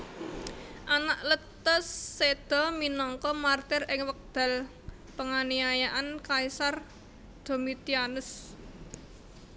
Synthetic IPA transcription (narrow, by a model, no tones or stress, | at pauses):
ʔanaʔlət̪əsːed̪̥ɔ̤minɔŋkɔmart̪ɪrɪŋwək̚d̪̥a̤l | pəŋaniajaʔankaisar | d̪̥o̤mit̪ianʊs